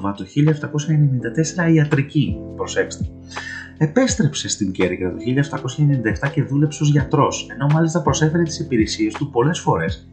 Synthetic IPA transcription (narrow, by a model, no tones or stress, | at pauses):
mɐt̪oçiliɐeft̪ɐko̞sçɐenenind̪ɐt̪e̞se̞ɾɐiɐt̪ɾicipɾo̞se̞kst̪e | e̞pe̞st̪ɾe̞pse̞st̪iɲɟe̞ɾiɣɾɐt̪oçiliɐeft̪ɐko̞sçɐnnind̪ɐeft̪ɐce̞ðule̞pseozʝɐt̪ɾo̞se̞no̞mɐlist̪ɐpɾo̞se̞fe̞ɾe̞t̪i̥sipiɾe̞sie̞st̪upo̞le̞sfo̞ɾe̞s